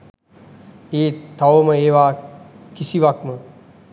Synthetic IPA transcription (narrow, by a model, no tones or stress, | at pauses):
eːt̪ʰːɐʋoməeːʋaːkisiʋakmə